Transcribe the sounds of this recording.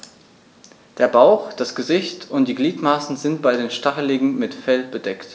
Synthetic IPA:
d̥eːɐbaʊxd̥asɡ̥əzɪçtʊntd̥iːɡliːtmaːsn̩zɪnt̚b̥aɪdeːnʃtaχəlɪɡŋ̩mɪtfɛlb̥ədɛkt

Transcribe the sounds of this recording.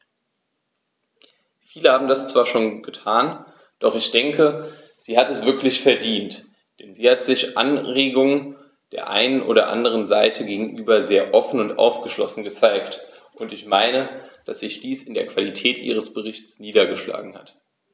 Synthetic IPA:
fiːləhaːbm̩dast͡sv̥aːɐʃoːnɡ̥ətʰaːn | d̥ɔχɪçd̥ɛŋkə | z̥iːhatɛsv̥ɪɐklɪçfɛɐdiːnt | d̥ɛnziːhatz̥ɪçʔa̰nʁeːɡʊŋə | d̥eːɐʔa̰ɪnənʔo̰ːɾɐ̰ʔa̰ndəʁ̞ənzaɪtʰəɡeːɡŋ̩ʔyːbɐzeːɐʔɔfn̩ʊntʔa̰ʊfɡ̥əʃlɔsn̩ɡət͡saɪktʔʊntɪçmaɪnəd̥asz̥ɪçd̥iːsɪndeːɐkv̥alitʰɛːtʔḭːʁ̞əsb̥əʁ̞ɪçtt͡sniːdɐɡəʃla̰ːɡŋ̩ha̰t

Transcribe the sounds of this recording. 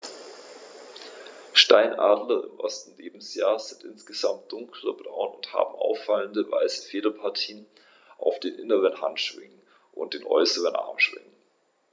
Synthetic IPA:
ʃtaɪnʔa̰ːdlɐɪ̰mʔɔstn̩leːbm̩sjaːz̥ɪntʔɪnsɡ̥əzamt̚d̥ʊŋkʰlɐb̥ʁa̰ʊnʊntha̰ːbm̩ʔa̰ʊfaləndəva̰ɪsə̥feːdɐpʰaɐtʰiːən | ʔaʊfd̥eːnʔɪnəʁənha̰ntʃv̥ɪ̰ŋən | ʔʊ̰nt̚d̥eːnʔɔ̰ʏsəʁənʔa̰ɐmʃv̥ɪ̰ŋən

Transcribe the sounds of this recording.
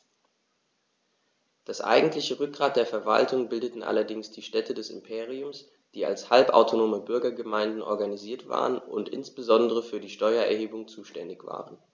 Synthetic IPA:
d̥asʔa̰ɪɡŋ̩tlɪçəʁʏk̚ɡ̥ʁaːt̚d̥eːɐfɛɐva̰ltʊŋbɪldətn̩ʔa̰lɐdɪŋsd̥iːʃtɛtədɛsɪ̰mpʰeːʁ̞iʊms | d̥iːa̰lshalpʔa̰ʊtʰonoːməbʏɐɡɐɡəmaɪndn̩ʔɔ̰ɐɡaniziːɐtv̥a̰ːʁənʊ̰ntʔɪ̰nsb̥əzɔndəʁəfyːɐdiːʃtɔʏɐɛɐheːbʊŋt͡suːʃtɛndɪçv̥a̰ːʁən

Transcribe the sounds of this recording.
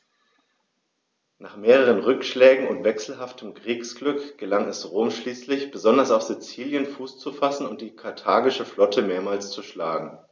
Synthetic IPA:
naːχmeːʁ̞əʁ̞ənʁʏkʃlɛːɡŋ̩ʊntv̥ɛksl̩ɦaftʰəmkʁ̥iːksɡ̥lʏkɡ̥əlaŋɛsʁoːmʃliːslɪçb̥əzɔndɐsaʊfz̥it͡siːljənfuːst͡sufasn̩ʊnt̚d̥iːkʰaɐtʰaːɡɪʃəflɔtʰəmeːɐmaːlst͡suʃlaːɡŋ̩

